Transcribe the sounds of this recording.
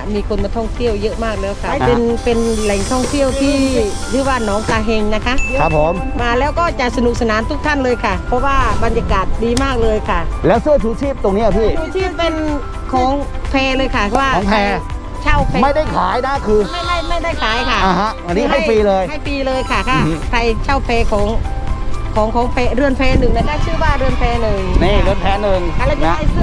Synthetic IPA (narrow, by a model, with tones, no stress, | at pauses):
miː˧kʰo˧nma˧t̪ʰɔ˥˩ŋt̪ʰi˥˩əwjɤ˦˥ʔmaː˥˩k̚lɛː˦˥wkʰa˧˩pe˧npe˧nlɛ˨˩ŋt̪ʰɔ˥˩ŋt̪ʰi˥˩əwt̪ʰiː˥˩ | ɾʰɯː˨˦waː˥˩nɔː˨˦˥ŋt̪aː˧ɦe˧ŋna˦˥kʰa˦˥ʔʰa˦˥pʰːo˩˦m | maː˧lɛː˦˥wkɔː˥˩t͡ɕa˨˩sa˧nu˨˩k̚sa˧naː˩˦nt̪ʰu˦˥˩k̚t̪ʰa˥˩nlɤː˧jkʰa˥˩pʰɔ˦˥waː˥˩ba˧njaː˧kaː˨˩t̪̚diː˧maː˥˩k̚lɤː˧jkʰa˥˩lɛː˦˥wsɯ˥˩ɐt͡ɕʰuː˨˦t͡ɕʰiː˥˩p̚t̪o˧ŋni˦˥ɐ˨t̪ʰiː˧˥˩sʰuː˧˥t̪ʰiː˥˩ppe˧n | kʰɔː˧˩˦ŋpʰɛː˧lɤː˧jkʰa˧˥˩waː˥˩ɔː˨pʰɛː˧ | t͡ɕʰa˥˩wpʰɛ˧ma˥˩jda˥˩jkʰaː˩˦jna˦˥kʰɯː˧ma˥˩jda˥˩jma˥˩jda˥˩jkʰaː˩˦jkʰa˥˩˧ɦʔa˧nːiː˦˥˦a˥˩jpiː˧lɤː˧jha˥˩jfiː˧lɤː˧jkʰa˧˩kʰa˧˩pʰa˧jt͡ɕʰaː˥˩wpʰɛː˧kʰɔː˩˦ŋ | kʰɔː˨˩˦ŋkʰɔː˩˦ŋpʰɛː˧ɾɯ˧˩ənpʰɛː˧nɯ˨˩ŋla˧˥˩naː˥˩jt͡ɕʰɯː˥˩waː˧˩ɾɯ˧˩ənpʰɛː˧nɯ˨˩ŋniː˧˥˩ɾɯ˧˩ənpʰɛː˧˥nɯ˨˩ŋkʰa˧˩lɛː˦˥˩wɲa˦da˥˩jsɯ˥˩